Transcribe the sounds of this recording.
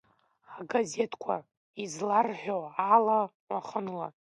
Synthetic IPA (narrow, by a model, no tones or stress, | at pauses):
aɡaze̞tʰkʷʰa̰ | izlarħʷᶣoala | waχənla̰